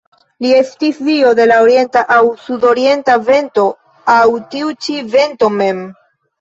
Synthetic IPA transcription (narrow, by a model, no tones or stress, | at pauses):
liestisvio̞de̞laoɾie̞ntaʔawsudo̞ɾie̞ntave̞nto̞ | awtiut͡ʃive̞nto̞me̞m